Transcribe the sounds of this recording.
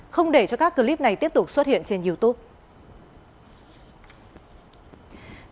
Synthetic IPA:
xə˧wŋ͡mɗe˧˩t͡ɕɔ˧kaː˦˥kːə˧li˦˥p̚na˨˩jt̪i˦˥əp̚t̪ʊ˨˩k͡p̚swə˦˥t̚hḭ˧˨ənt͡ɕe˧nzi˧əwt̪u˦˥p̚

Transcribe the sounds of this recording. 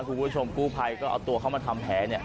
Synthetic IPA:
kʰuː˧kuː˥˩˥t͡ɕʰo˧mkuː˥˩pʰa˧jkɔː˥˩ʔa̰˧wt̪u˧ɐkʰa˥˩maː˧t̪ʰa˧mpʰɛː˩˦ni˥˩ɐ

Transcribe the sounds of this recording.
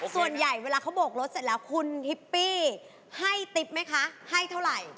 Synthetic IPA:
su˨˩ənja˨˩jweː˧laː˧kʰa˦˥wboː˨˩k̚ɾo˦˥t̪̚se˨˩lɛː˦˥wkʰu˧nhi˦˥pːiː˥˩ | ha˥˩jt̪i˦˥p̚ma˦˥jkʰa˦˥ha˥˩jt̪ʰa˥˩wɾa˨˩j

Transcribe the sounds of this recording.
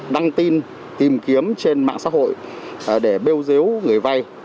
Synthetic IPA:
ɗa˧ŋt̪i˧n | t̪i˨˩mki˨˦əmt͡ɕe˧nma̰ː˧˨ŋsa̰˧˥ɦo̰˧˨j | ɗe˧˩ɓe˧wze˨˦wŋɨ˨˩əjva˧j

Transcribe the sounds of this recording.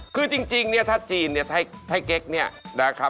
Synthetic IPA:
kʰɯː˧t͡ɕi˧ŋt͡ɕi˧ŋni˥˩ɐt̪ʰa˦˥˩t̪̚t͡ɕiː˨˩nːi˥˩ɐt̪ʰa˧˩t̪ʰa˧˥˩jke˦˥k̚ni˥˩ɐna˦˩kʰa˦˥p̚

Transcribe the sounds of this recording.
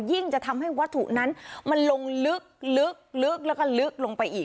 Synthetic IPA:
zi˧˩əŋt͡ɕaː˧˩t̪ʰa˧mha˧˩jkwaː˨˦˥t̪ʰṵ˧˩na˨˦˥nma˨˩nlo˨˧˩ŋlɨ˦˥ək̚lɨ˦˥ək̚lɨ˦˥ək̚lːkɔ˧˩lɨ˦˥ək̚lo˧˩ŋpa˨˧˩jʔi˧˩

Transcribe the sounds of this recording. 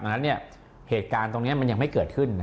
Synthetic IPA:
ʔa˧nːa˦˥nːi˥˩ɐ | heː˨˩t̪̚kaː˧nt̪o˧ŋni˦˥ɐma˧nja˧ŋma˥˩jkɤː˨˩t̪̚kʰɯ˥˩nːa˦˥

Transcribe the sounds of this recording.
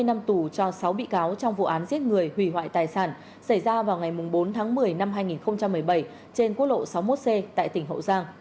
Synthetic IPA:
jna˧mt̪u˧˩t͡ɕɔ˧sa˨˦wɓḭ˧˨kaː˨˦wt͡ɕɔ˧wŋ͡mvṵ˧˨ʔaː˨˦nzi˦˥ət̚ŋɨ˨˩əjhwi˧˩ɦwa̰ː˧˨jt̪aː˨˩jsaː˧˩n | sa˧˩jzaː˧vaː˨˩wŋa˨˩jmʊ˨˩ŋ͡mɓo˨˦nt̪ʰaː˨˦ŋmɨ˨˩əjna˧mɦaː˧jŋi˨˩nxə˧wŋ͡mt͡ɕa˧mːɨ˨˩əjɓə˧˩j | t͡ɕe˧nku˦˥t̚lo̰˧˨sa˨˦wmo˦˥t̚se˧t̪a̰ː˧˨jt̪ï˧˩ŋ̟ɦə̰˧˨wzaː˧ŋ

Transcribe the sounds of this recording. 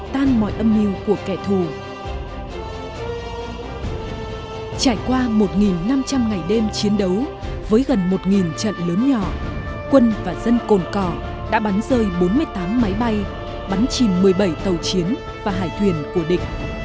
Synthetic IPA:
t̪aː˧nmɔ̰˧˨jʔə˧mɲi˧wku˧˩əkɛ˧˩t̪ʰu˨˩ | t͡ɕaː˧˩jkwaː˧mo˨˩t̚ŋi˨˩nːa˧mt͡ɕa˧mŋa˨˩jɗe˧mt͡ɕi˨˦ənɗə˨˦wvəː˨˦jɣə˨˩nmo˨˩t̚ŋi˨˩nt͡ɕə̰˧˨nləː˨˦nɲɔ˧˩ | kwə˧nvaː˨˩zə˧nko˨˩nkɔ˧˩ | ɗa̰ː˧˥ɓa˨˦nzəː˧jɓo˨˦nmɨ˧əjt̪aː˨˦mːa˨˦jɓa˧j | ɓa˨˦nt͡ɕi˨˩nmɨ˨˩əjɓə˧˩jt̪ə˨˩wt͡ɕi˨˦ən | vaː˨˩ɦaː˧˩jt̪ʰwi˨˩ənku˧˩əɗï˨˩ŋ̟̚

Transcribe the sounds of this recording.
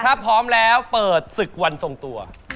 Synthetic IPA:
a˦˥pʰːɔː˦˥mlɛː˦˥wpɤː˨˩t̪̚sɯ˨˩k̚wa˧nso˧ŋt̪u˧ɐ

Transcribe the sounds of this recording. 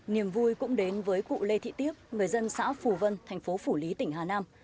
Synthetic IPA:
ni˨˩əmvu˧jkʊ̰˧˥ŋ͡mɗe˨˦nvəː˨˦jkṵ˧˨le˧t̪ʰḭ˧˨t̪i˦˥əp̚ŋɨ˨˩əjzə˧nsa̰ː˧˥fu˨˩və˧nt̪ʰa˨˩jŋ̟fo˨˦fu˧˩li˨˦t̪ï˧˩ŋ̟ɦaː˨˩naː˧m

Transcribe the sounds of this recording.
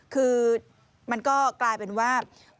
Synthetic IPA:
kʰɯː˧ | ma˧nkɔː˥˩klaː˧jpe˧nwaː˥˩

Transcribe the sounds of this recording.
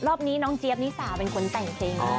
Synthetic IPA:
ɾɔː˥˩p̚niː˦˥nɔː˦˥ŋt͡ɕi˦˥əp̚niː˦˥saː˨˩˦pe˧nkʰo˧nt̪ɛ˨˩ŋt͡ɕʰeː˧ŋ

